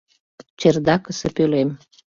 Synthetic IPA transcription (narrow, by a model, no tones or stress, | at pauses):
t͡ɕerd̪ɑkəsəpølem